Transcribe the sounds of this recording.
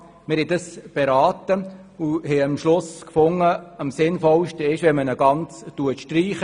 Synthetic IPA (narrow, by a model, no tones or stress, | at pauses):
mɪɾhɛdəsb̥eɾaːtə | uhɛəmʃlʊskfʊŋːəəmsɪnfɔlʃtəɪʃʋɛmənəɡ̥ɑnt͡stuətʃtɾiːχə